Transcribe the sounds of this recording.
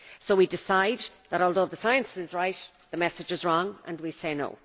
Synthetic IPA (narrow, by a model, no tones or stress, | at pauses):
soʊwidɪsaɪd̪ðəɾɔːlˠðoʊðəsaɪə̃nsɪzɹaɪt | ðəmɛsɨd͡ʒɨzɹɔ̃ŋə̰̃nwiseɪno̰ʊ